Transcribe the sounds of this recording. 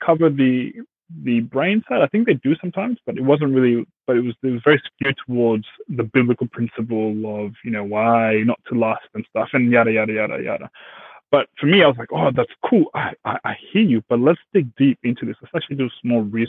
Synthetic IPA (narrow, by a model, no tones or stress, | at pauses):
kʰʌvə˞ðɨ | ðɨbɹẽɪ̃nsaɪɾaɪθɪ̃ŋk̚ðeɪdɨsʌ̃mtʰãɪ̃mz̥b̥ʌɾɨt̚wʌzə̃nt̚ɹɪlˠib̥ʌɾɨt̚wʌzɨt̚wʌzvɛɹiskʉtʰəwɔɹdz̥ðɨbɪblɨkl̩ˠpʰɹ̥ɪ̃nsɨp̬l̩ˠʌvjɨñoʊwaɪnətʰəlæstɨ̃nstʌfɨ̃njæɾɨjæɾɨjæɾə̰jæ̰ɾə̰b̥ʌt̚fə˞miaɪwʌzlaɪkoðætskʰulˠa̰ɪa̰ɪʔaɪhiɹjɨb̥ʌtˡlətstɪk̚d̥ipɪ̃ntʰʉðɪsətsæk̚t͡ʃʉl̩ˠid͡ʒʌsmɔlˠɹi